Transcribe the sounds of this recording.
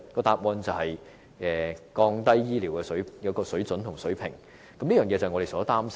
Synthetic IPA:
kɔː˧t̪aː˧p̚wɔː˧nt͡sɐ˨whɐ˨j | ɛː˨˩kɔː˧ŋt̪ɐ˥jːiː˥liː˨˩wkɛː˧sɵ˨˥ɥjɐ˨˧wkɔː˧sɵ˨˥ɥt͡sɵ˨˥nt̪ʰʊ˨˩ŋsɵ˨˥ɥpʰɪ˨˩ŋ | kɐ˨mli˥œː˨ŋjɛː˨˧t͡sɐ˨hŋː˨˧ɾe˨˩sɔː˨˥t̪aː˥ms

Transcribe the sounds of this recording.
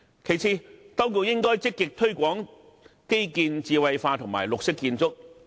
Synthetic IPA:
kʰe˨˩jt͡sʰiː˧t̪ɐ˥wku˧wjɪ˥ŋkɔː˥jt͡sɪ˥kːɪ˨k̚t̪ʰɵ˥ɥkʷɔː˨˥ŋ | ke˥jkiː˧nt͡siː˧wɐ˨˧jfaː˧t̪ʰʊ˨˩ŋmaː˨˩jlʊ˨k̚sɪ˥kːiː˧nt͡sʊ˥k̚

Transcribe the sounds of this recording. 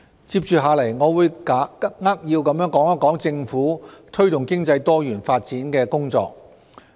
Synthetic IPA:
t͡siː˧p̚t͡ʃyː˨˩ɦaː˨˧lɐ˨˩jŋɔː˨˧wuː˨˧jkaː˨˥kɐ˥ŋaː˥k̚jiː˧wkɐ˨˧mjœː˨˥ŋkɔː˨˥ŋɐ˥kɔː˨˥ŋt͡sɪ˧ŋfuː˨˥t̪ʰɵ˥ɥt̪ʊ˨ŋkɪ˥ŋt͡sɐ˧jt̪ɔː˥jyː˨˩nfaː˧t̚t͡siː˨˥nkɛː˧kʊ˥ŋt͡sɔ̰ː˧k̚

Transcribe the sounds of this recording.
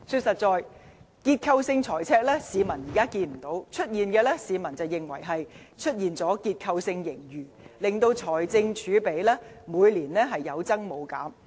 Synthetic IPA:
syː˧t̚sɐ˨t̚t͡sɔː˨˧j | kiː˧t̚kʰɐ˧wsɪ˧ŋt͡ʃʰɔː˨˩jt͡sʰɛː˧k̚lɛː˥siː˨˧mɐ˨˩njiː˨kaː˥kiː˧nm̩˨˩t̪o˨˥wt͡ʃʰɵ˥t̚jiː˨˩nkɛː˧lɛ˥siː˨˧mɐ˨˩nt͡sɐ˨wjɪ˨ŋwɐ̰˨˩jɦɐ˨j | t͡ʃʰɵ˥t̚jiː˨nt͡sɔː˨˥kiː˧t̚kʰɐ˧wsɪ˧ŋjɪ˨˩ŋjyː˨˩lɪ˨ŋt̪o˧wt͡ʃʰɔː˨˩jt͡sɪ˧ŋt͡ʃʰyː˨˧pe˨˥jlɛː˥ | muː˨˧jliː˨˩nlɛː˥ɦɐ˨jːɐ˨˧wt͡sɐ˥ŋmo˨˧wkaː˨˥m

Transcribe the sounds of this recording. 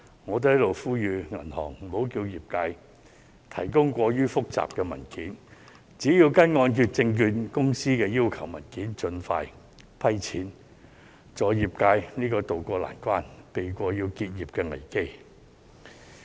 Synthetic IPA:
ŋɔː˨˧t̪̬hɐ˨˥jlo˨wfuː˥jyː˨˧ŋɐ˨˩nhɔ̰ː˨˩ŋ̩˨˩mo˨˥wkiː˧wjiː˨p̚kaː˧j | t̪ʰɐ˨˩jkʊ˥ŋkʷɔː˧jyː˥fʊ˥k̚t͡sa̰ː˨p̚kɛː˧mɐ̰˨˩nkiː˨˥n | t͡siː˨˥jiː˧wkɐ˥nŋɔː˧nkyː˧t̚t͡sɪ˧ŋkyː˧nkʊ˥ŋsiː˥kɛː˧jiː˥wkʰɐ˨˩wmɐ̰˨˩nkiː˨˥nt͡sɵ˧nfa̰ː˧j | pʰɐ˥jt͡sʰiː˨˥n | t͡sɔː˨˧jiː˨˩p̚kaː˧jniː˥kɔː˧t̪o˨wkʷɔː˧la̰ː˨˩nkʷwaː˥npe˨jkʷɔː˧jiː˧wkiː˧t̚jiː˨p̚kɛː˧ŋɐ̰˨˩jke˥j

